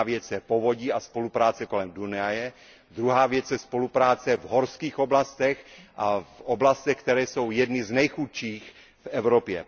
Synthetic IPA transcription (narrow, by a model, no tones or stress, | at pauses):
vjɛt͡sɛpovoɟiaspo̞lupɾaːt͡sɛko̞lɛmdunajɛ | d̪ɾuɦaːvjɛt͡sjɛspo̞lupɾaːt͡sɛvɦoɾskiːxoblast̪ɛxʔafʔoblast̪ɛxk̚t̪ɛɾɛːsowjɛdnɪznɛjxut̪ʃiːx | fɛvɾopjɛ̰